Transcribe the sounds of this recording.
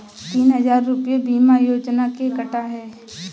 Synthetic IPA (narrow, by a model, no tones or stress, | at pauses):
t̪iːnɦɐzaːɾːʊpijebiːmajoːd͡ʒnakekəʈaɦɛː